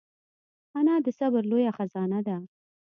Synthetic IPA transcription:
anɑd̪əsabəɾlojaxazɑnad̪a

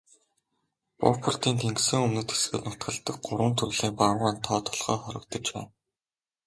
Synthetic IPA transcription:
pɔ̰pʰʊrt̪iːnt̪ʰeŋksɘ̆ŋɵmnɘ̆t̪e̥sɡɘ̆ːt̪nʊt̪̚ɢə̆ɮt̪ə̆k̚ɢʊɾwə̆nt̪ʰɵrɮiːŋpaʁaːnt̪ʰɔːt̪ʰɔ̥ɮχɔːχɔɾɞ̆k̚t̪ɞ̆t͡ɕpæ̰ːn

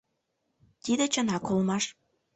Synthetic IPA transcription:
t̪id̪ĕt͡ɕə̆nɑkolmɑʃ

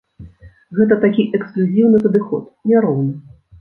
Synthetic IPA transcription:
ɣɛt̪ɐt̪akʲiʔɛksklʲuzʲiwnɨpɐd̪ɨxɔt̪nʲaɾɔwnɨ

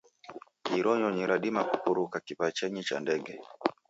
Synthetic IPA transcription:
iɾɔɲɔɲiɾʔaɗimaku̥kuɾukakipat͡ʃɛɲit͡ʃa̰ndɛɡɛ

